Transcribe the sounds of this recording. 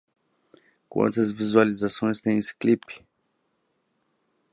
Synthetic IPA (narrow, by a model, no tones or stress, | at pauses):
kṵɔ̰̃t̪ɛzvizualizasunist̪ɛnisklipi̥